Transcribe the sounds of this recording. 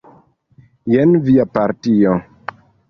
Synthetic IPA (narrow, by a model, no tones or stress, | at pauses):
jenviapaɾtio